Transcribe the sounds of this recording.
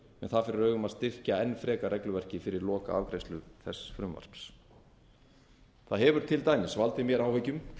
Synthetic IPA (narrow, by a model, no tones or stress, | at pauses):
mɛnθaðfɪɾɪɾœɥɣʏmaðst̪ɪr̥caɛnːfɾɛːkarɛklʏvɛr̥cɪfɪɾɪɾlɔːka̰a̰vkɾejst̪lʏθɛ̰sfɾʏmva̰r̥ps | θaðɦɛvʏɾ̥t̪ʰɪlt̪aːjnɪsvalt̪ɪmjɛɾaːwhœcʏm